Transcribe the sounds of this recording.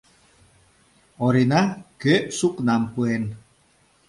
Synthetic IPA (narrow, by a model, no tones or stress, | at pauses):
ɔɾinaɡ̥eʔsuknampuɛn